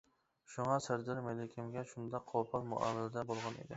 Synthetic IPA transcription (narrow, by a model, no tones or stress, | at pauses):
ʃʊŋɑsɪɾd̪ɪɾmelɪkʲʰɪmɡʲaʃʊnd̪ɑqʰːopʰɒɾmʊ̰ʔa̰mɪlɪd̪abolˠʁɑnḛd̪ɪ